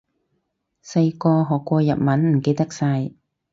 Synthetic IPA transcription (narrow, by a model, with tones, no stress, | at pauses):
sɐ˧jkɔː˧ɦɔː˨˩kːʷɔː˧jɐ˨t̚mɐ˨˥nm̩˨˩ke˧jt̪ɐ˥k̚sɐ˧j